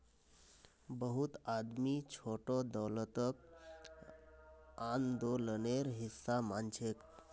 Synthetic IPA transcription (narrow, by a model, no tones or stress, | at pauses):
bəɦut̪ad̪mit͡ʃʰoʈod̪ɔwlət̪ək | and̪oləneɾɦisːamant͡ʃʰek